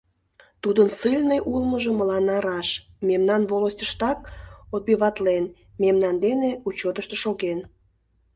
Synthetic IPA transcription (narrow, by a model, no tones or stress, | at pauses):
t̪ud̪ənsɨlʲneʔulməʒə̆məlɑnɑɾɑʃ | memnɑnvolosʲtʲəʃt̪ɑkot̪̚biβɑt̪len | memnɑnd̪eneut͡ɕot̪əʃt̪əʃoɣen